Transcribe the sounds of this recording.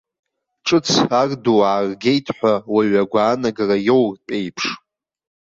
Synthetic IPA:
ʈ͡ʂʼɨt͡sʰarduaːrɡʲe̞jtʰħʷawaɥaɡʷaːnaɡarajo̞wrpʼe̞jpʰʂ

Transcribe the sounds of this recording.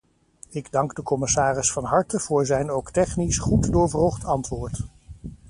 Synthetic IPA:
ɪɡdɑŋɡdəkɔmɪsaːrɪsfɑnɦɑɹtəv̥ʊːɹzɛjnowktɛχnisχutdʊːɹvroχtɑntʋʊːɹt

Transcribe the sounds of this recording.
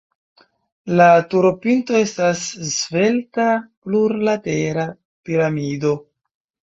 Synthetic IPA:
latuɾo̞pinto̞e̞staszve̞ltapluɾlate̞ɾa | piɾamido̞

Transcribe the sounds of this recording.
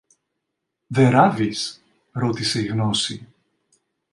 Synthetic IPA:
ðe̞ɾavis | ɾot̪ise̞iɣno̞si

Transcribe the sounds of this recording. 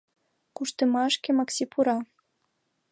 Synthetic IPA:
kuʃt̪ə̆mɑʃkʲĕmɑksipʰuɾɑ

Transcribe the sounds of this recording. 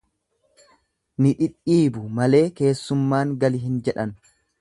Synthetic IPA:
nɪᶑɪᶑiːbʊmɐle̞ːke̞ːsːʊmːaːŋɡɐlɪɦɪnd͡ʒɛᶑɐnʊ̥

